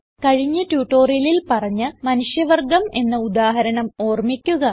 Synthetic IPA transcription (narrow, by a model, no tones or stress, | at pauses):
kɐɻiɲːɨtjuːʈːoːrijɐlilpɐrɐɲːɨmɐnuʂjɐʋɐrɡɐme̞nːɐud̪aːɦɐɾɐɳɐmo̞ːrmikʲːuɣɐ